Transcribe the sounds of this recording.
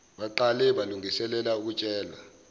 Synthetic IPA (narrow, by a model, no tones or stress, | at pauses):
ɓaǃalɛɓaluŋisɛlɛlauk̬ut͡ʃʼɛːla